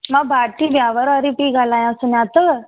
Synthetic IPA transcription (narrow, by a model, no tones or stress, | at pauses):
mãbʱaʈ̪ibjaːʋəɾəɾipiːɡalajãsunjãt̪ə